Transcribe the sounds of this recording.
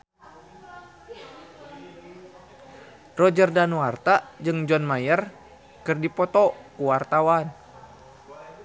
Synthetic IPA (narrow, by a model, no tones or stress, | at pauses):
rɔd͡ʒərdanuart̪ad͡ʒɨŋd͡ʒɔnmajər | kɨrdipɔt̪ɔkuwart̪awan